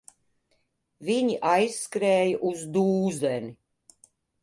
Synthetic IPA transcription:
viɲiʔajsːkɾɛːjɐʔuzd̪uːzɛni

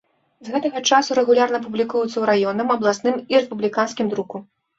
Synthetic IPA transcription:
zɣɛt̪ɐɣɐt͡ʂasuɾɛɣulʲarnɐp̬ublʲikujut̪sɐwɾajɔnɐmɐblˠasnɨmiɾɛspublʲikanskʲimd̪ɾuku

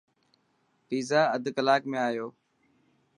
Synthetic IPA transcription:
fiːzaːəd̪ʱkəlaːkmẽːaːjoː

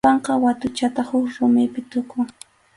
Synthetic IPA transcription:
ɑɴqɑwat̪ʊt͡ʃat̪ahʊkɾʊmɪpɪt̪ʊkʊŋ

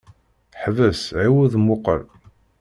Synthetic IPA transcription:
ħvəsʕiwuðmːʊqə̰ɾ

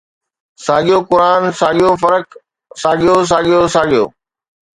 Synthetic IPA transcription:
saːɠijokʊɾaːnsaːɠijofɐɾək | saːɠijos̬aːɠijosaːɠijo̰ː

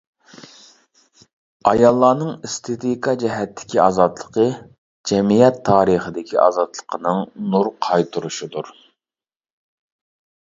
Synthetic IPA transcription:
ɑjɑlˠːɑːnɨŋist̪ʰet̪ʰikɑd͡ʒɛɦɛt̪ʰːɪ̥kʲiɑ̰ːzɑt̪lˠəqʰə | d͡ʒɛmijɛt̪ʰːɑːɾəχəd̪ɪkʲiʔɑ̰ːzɑt̪lˠə̥qʰənɨŋnuɾqʰɑjt̪ʰuɾuʃid̪uɾ

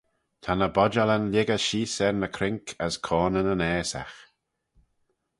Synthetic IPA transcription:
t̪ʰanəbɔd͡ʒalənljɪɡəʃiːsɛɾnəkʰɾɪŋkʰəskʰɔːnənənɛːsa̰x

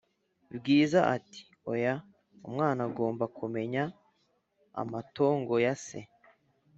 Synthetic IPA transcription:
bɡiːzaʔati̥ | oja | umŋaːnaɡo̞ːmbakume̞ɲa | a̰mato̞ːŋɡo̞jasḛ

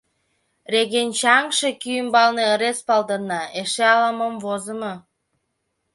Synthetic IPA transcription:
reɣent͡ɕɑŋʃekyjəmbɑlneəɾespɑld̪ənːɑeʃeɑləməmvozəmɤ

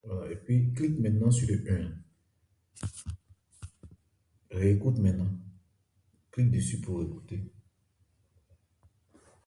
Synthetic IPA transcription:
aepɥiklikmɛ̃t̪nɑ̃syləʔɛ̃ | ʁeːkut̪mɛ̃t̪nɑ̃ | klik̚d̪esypuʁeku̥t̪e

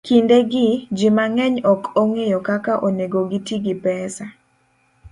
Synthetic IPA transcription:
kindeɡɪd͡ʒɪmaŋɛɲɔkoŋejokakaʔoneɡoɡitiɡɪpɛsa

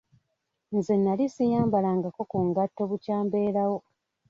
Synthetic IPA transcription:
nzenːalisijaːmbalaŋɡako̞kuŋɡatːo̞βucaːmbe̞ːɾawo̞

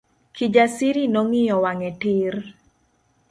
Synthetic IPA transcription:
kid͡ʒasiɾinɔŋɪjɔwaŋɛtɪr

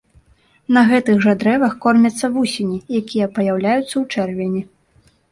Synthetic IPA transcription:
nɐɣɛt̪ɨɣʐad̪ɾɛvɐxkɔrmʲɐt̪sːɐvusʲinʲijakʲijɐpɐjawlʲajut̪sːɐwt͡ʂɛrvʲenʲi

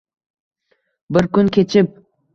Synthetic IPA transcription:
bɪɾkʲʊnkʲet͡ʃʰɪp̚

